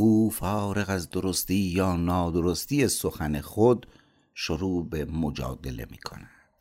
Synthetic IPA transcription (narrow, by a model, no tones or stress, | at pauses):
uːfɒːɾe̞ɣæzd̪oɾost̪iːjɒːnɒːd̪oɾost̪ijesoxænexod̪ | ʃoɾuːbemod͡ʒɒ̰ːd̪e̞̰le̞̰mḭːkʰo̞̰næd̪̥